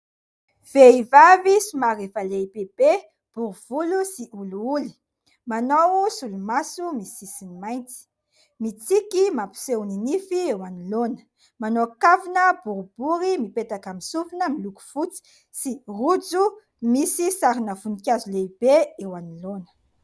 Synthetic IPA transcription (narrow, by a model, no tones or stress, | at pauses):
v̥eivavisumaɾefaleibeb̥e | b̥uɾuv̥ulusiʔuluuli̥ | manowsulumasumisisinimajnt͡si̥ | mit͡sikimapi̥sewninifiewanilonə̥ | manokavinəbuɾubuɾimipet̪akamisufinəmiluku̥fut͡si̥ | sirud͡zu | misisaɾinəfunikʲjazulebeewanilonə̥